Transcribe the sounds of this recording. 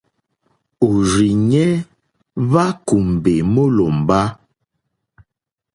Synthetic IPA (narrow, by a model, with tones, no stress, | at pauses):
o˨ɾi˨ɲɛ˦ | βa˦ku˨m˨be˨mə˦lɔ˨m˨ba˦